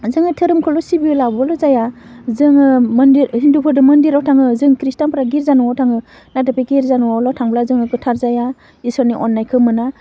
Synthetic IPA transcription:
zɯŋɯtʰɯɾɯmkʰɔlɔsibiulabɔlɔzaja | zɯŋɯmɯndiɾhindupʰɯɾdɯmɯndiɾawtʰaŋɯzɯŋkɾistanpɯɾaɡiɾzanuwawtʰaŋɯ | natɯpeɡiɾzanuwawlɔtʰaŋblazɯŋɯɡɯtʰaɾzaja | isɔniʔɔnːajkʰɯmɯna

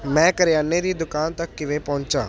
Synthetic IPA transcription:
mɛ̃ːkəɾjaːnːeːd̪iːd̪ʊkaːnt̪əkːɪʋẽːpɔ̃ːɲt͡ʃa̰ː

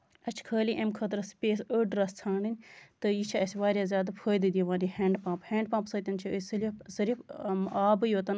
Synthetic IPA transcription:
ɐt͡ʃʰkʰəːliʔemkʰɐt̪ɾɐspʲeːsəɖɾɐst͡sʰãːɳɖɨnʲt̪ɨjit͡ʃʰaɐsʲʋaːɾʲjaːzʲjaːd̪apʰəːjd̪ɨd̪ʲiʋãːɾiheːɳɖpãːphẽːɳɖpãːpsɐːt̪ʲɐnt͡ʃʰiəsɐlʲizɐɾifaːbɨjoːt̪ɐn

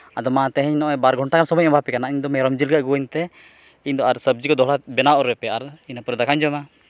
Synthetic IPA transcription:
ad̪ɔmãt̪ɛɦɛ̃ɲnɔʔɛbaɾɡʱɔɳʈakansɔbɔjmɛbʱapɛkanaiɲd̪ɔmɛɾɔmd͡ʒilɡaɡuwəɲt̪ɛ | iɲd̪ɔaɾsəb̚d͡ʒikɔd̪ɔɦɽabɛnaʔɔɾɔɛpɛaɾinapɾɔd̪akaɲd͡ʒɔma

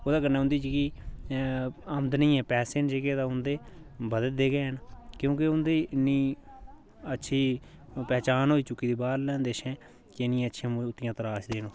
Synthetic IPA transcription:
oːd̪aːkənːʊ̃nd̪iːd͡ʒikiː | əmd̪nĩːɛ̃ːpɛːseːnd͡ʒeːɡeːt̪ãːʊnd̪eːbəd̪ət̪̚d̪eːɡɛːɦənkjõːkɪʊnd̪iːɪnːiː | ətːʃʰiː | pɛːt͡ʃaːnɦoːiːt͡ʃʊkːiːd̪iːbaːɾlɛ̃ːnd̪eːʃɛ̃ː | kɪɪnːĩːəːʃʰãːm̃ːʊt̪ːɪjãːt̪əɾaːʃd̪eːnõː

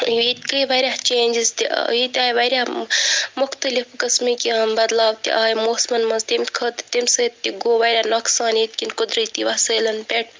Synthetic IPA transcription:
iːt̪kəjʋɐɾʲjaht͡ʃẽːnʲd͡ʒizt̪ḭiːt̪ʲaːjʋɐɾʲaːmʊxt̪ɐlifkɨsmikibɐd̪laːwt̪ḭʔaːjmoːsmɐnmɐnzt̪imʲkʰəːt̪t̪imʲsɐːt̪ːiɡoːʋɐɾʲanoksaːniːt̪kʲinkʊd̪ɾət̪iʋɐsəːlɐnpeʈ̚

